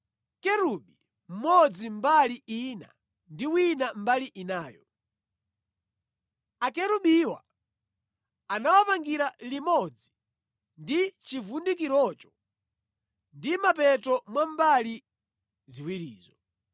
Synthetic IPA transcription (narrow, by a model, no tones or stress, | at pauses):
kɛɾuɓi | m̩mɔd͡zimbaliina̰ | ndiwinambaliʔinaːjɔ | akɛɾuɓiwa̰ | anawapaŋɡiɾalimɔd͡zi | ndit͡ʃivundik̬iɾɔt͡ʃɔ̥ | ndimapɛtɔmwambali | ziwiɾiːzɔ